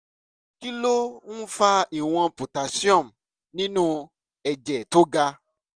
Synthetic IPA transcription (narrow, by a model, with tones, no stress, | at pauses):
ki˦lo˦ñ̩˦fa˧i˨w̃ɔ̃˧po˨ta˨si˦ɔ̃˦˨m̩˨ | nĩ˦nũ˦ | ɛ˧d͡ʒɛ˨to˦ɡa˧